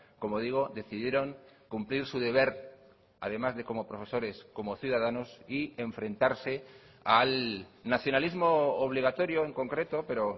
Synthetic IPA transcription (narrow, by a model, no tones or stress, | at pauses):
ko̞mo̞ð̞iɣ̞o̞ðe̞θiðje̞ɾo̞ŋkumpliɾsuðe̞β̞e̞ɾ | a̰ð̞e̞mazðe̞ko̞mo̞pɾo̞fe̞so̞ɾe̞sko̞mo̞θjuðað̞anosie̞ɱfɾẽ̞nt̪aɾse̞ | alnaθjo̞nalizmo̞ːβ̞liɣ̞at̪o̞ɾjoeŋko̞ŋkɾe̞t̪o̞pe̞ɾo